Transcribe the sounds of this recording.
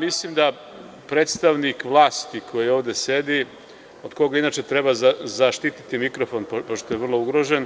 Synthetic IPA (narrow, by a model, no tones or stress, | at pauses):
mislimd̪a | pɾet̪st̪aʋnikʋlˠaːst̪ikʰo̞jio̞ːʋd̪e̞se̞d̪i | od̪ko̞ɡainaːt͡ʃet̪ɾebazazaʃt̪it̪it̪imikɾofonppoʃt̪ojeʋr̩lˠo̞uɡɾo̞ʒen